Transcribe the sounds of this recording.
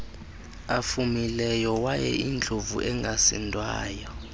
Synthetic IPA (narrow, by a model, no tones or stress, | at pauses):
afumilɛjɔwajɛ̰ʔind͡ɮʱovṵʔɛŋɡʱasɛ̰ndʼwa̰ːjɔ